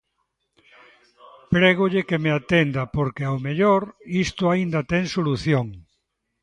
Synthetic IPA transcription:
pɾɛɣʊʎɪkemeat̪end̪ɐpoɾkeawmeʎoɾist̪ʊaind̪ɐt̪ɛŋsoluθjoŋ

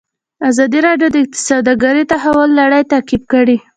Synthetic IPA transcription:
azɑd̪iɾɑɖjod̪əɪq̚t̪ɪ̥sɑwd̪aɡaɾit̪aɦawʊlːaɽajt̪akib̚kəɽi

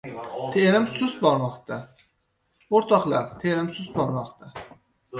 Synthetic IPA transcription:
t̪ʰeɾæmsust̪̚bɑɾmɑχt̪ɑ | oɾt̪ʰɑχlˠɑ̰ɾt̪ʰeɾimsust̪̚bɑɾmɑχt̪ɑ

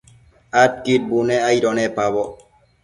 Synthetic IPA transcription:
at̚kit̚bunẽajɾonepaβo

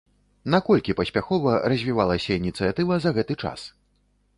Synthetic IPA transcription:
nakɔlʲkʲipɐsʲpʲaxɔvɐɾɐzʲvʲivalˠɐsʲɐinʲit̪sɨjat̪ɨvɐzɐɣɛt̪ɨt͡ʂa̰s

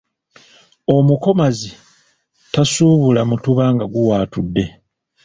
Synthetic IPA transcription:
o̞muko̞mazi | tasuːβulamutuβaːŋɡaɡuwaːtudːe̞

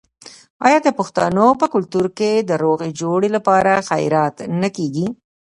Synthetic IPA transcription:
ɑ̰jɑd̪əpʊxt̪a̰nopəkʊlt̪uɾked̪əɾoɣed͡ʒoɽelapɑɾaxaj̰ɾɑt̪nakeɡi

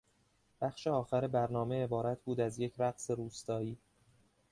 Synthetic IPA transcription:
b̥æχʃeɒːxæɾebæɾnɒːme̞ːbɒːɾæt̪ʰbuːd̪æzje̞cʰɾæɢse̞ɾuːst̪ɒːiː

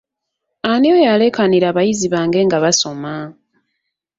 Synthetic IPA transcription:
aniojale̞kaniɾaːβajiziβaːŋɡe̞ːŋɡaβaso̞ma

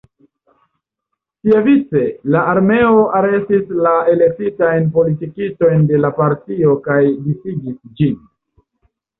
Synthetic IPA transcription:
siavit͡se̞laːɾme̞o̞ʔaɾe̞stislae̞le̞k̚titajnpo̞litikito̞jnde̞lapaɾtio̞kajdisiɡisd͡ʒin

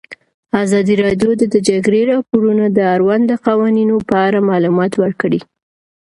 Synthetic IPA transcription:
azɑd̪iɾɑd̪jod̪əd̪əd͡ʒaɡɾeɾɑpoɾunad̪əɑɾwand̪əqawɑninopəaɾamɑlumɑt̪wəɾkɽi

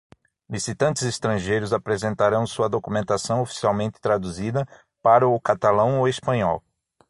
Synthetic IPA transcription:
vizit̪ɐ̃nt̪ɪzɪst̪ɾɐ̃ʒejɾʊzapɾezẽnt̪aɾɐ̃w̃suɐd̪okumẽnt̪asɐ̃w̃ofi̥siawmẽnt̪ɪ̥t̪ɾad̪uzid̪ɐ | paɾɐʊkat̪alɐ̃w̃oespɐ̃ɲɔ̰w

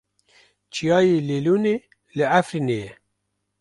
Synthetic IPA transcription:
t͡ʃʰijɑːjeːleːluːne | lɨæfɾinejɛ

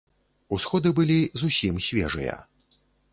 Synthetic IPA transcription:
usxɔd̪ɨbɨlʲizusʲimsʲvʲɛ̰ʐɨ̰jɐ̰

